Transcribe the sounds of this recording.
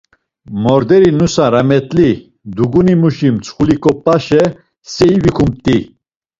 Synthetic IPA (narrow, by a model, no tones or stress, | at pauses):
mɔɾd̪ɛɾinusaɾamɛt̪ʼli | d̪uɡunimuʃimt͡sʰχulikʼɔpʼaʃɛ | sɛivikʰumt̪ʼi